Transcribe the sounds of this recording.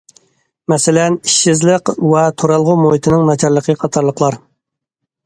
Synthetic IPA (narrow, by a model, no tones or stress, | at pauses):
mɛsɪlɛniʃːɪzlɪqvɛt̪ʰoɾɑlˠʁʊmoit̪ʰɪnɨŋnɑt͡ʃʰɑɾlˠəqʰəqʰɑt̪ʰɑɾlˠəqʰlˠɑɾ